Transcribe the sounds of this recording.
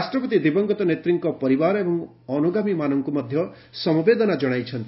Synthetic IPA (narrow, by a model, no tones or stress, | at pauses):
ɾasʈɾɔpɔt̪id̪ibɔŋɡɔt̪ɔnet̪ɾiŋkɔpɔɾibaɾebɔŋ | ɔnuɡamimanɔŋkumʌd̪ʱjʌ | sʌmbed̪ɔnad͡ʒɔɽ̃ajt͡ʃʰʌnt̪ii